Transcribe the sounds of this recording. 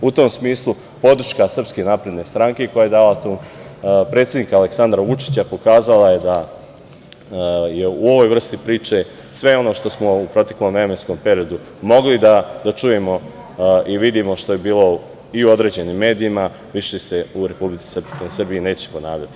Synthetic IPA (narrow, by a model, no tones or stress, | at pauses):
ut̪o̞ːmsmiːslˠu | po̞d̪ɾ̩ʃkasr̩pskenaːpɾe̞d̪ne̞st̪ɾaŋke̞ko̞jaje̞d̪aːlat̪umpɾet̪sʲe̞d̪nikaːle̞ksand̪ɾaʋut͡ʂi̥t͡ɕapo̞kaːzalaje̞d̪a | je̞uo̞ʋo̞jʋr̩st̪ipɾiːt͡ʂe̞ | sʋe̞o̞no̞ʃt̪o̞smo̞upɾo̞t̪eklo̞mɾemensko̞mpe̞ɾiod̪u | mo̞ɡlid̪ad̪at͡ʂuːjemo̞ | ʔiʋid̪imo̞ʃt̪oje̞biːlˠo̞ | iuo̞d̪ɾe̞ːd͡ʑe̞nimːe̞ːd̪iːma | ʋiʃese̞uɾe̞publit̪si̥ssr̩biine̞ːt͡ɕe̥po̞na̰ːʋʎat̪i̥